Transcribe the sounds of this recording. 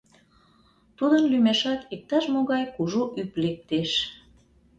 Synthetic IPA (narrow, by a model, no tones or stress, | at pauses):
t̪ud̪ənlymeʃɑt̪ik̚t̪ɑʃmoɣɑjkuʒoʔyplek̚t̪eʃ